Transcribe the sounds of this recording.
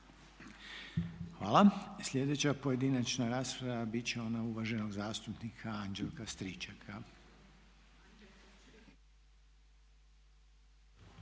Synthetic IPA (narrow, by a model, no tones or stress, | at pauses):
xʋaːlˠasʎʲe̞d̪e̞t͡ɕapo̞je̞d̪inat͡ʃnaɾaːspɾaʋabit͡ɕe̞o̞nauʋaʒe̞no̞ɡzaːst̪upnikʰaand͡ʒelˠkast̪ɾit͡ʃakʰa